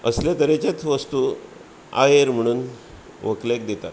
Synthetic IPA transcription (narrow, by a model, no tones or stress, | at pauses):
ə̰sljat̪əɾet͡ɕat͡sʋəst̪uː | a̰jeɾm̤əɽ̃uːn | ʋəklek̚d̪et̪at̪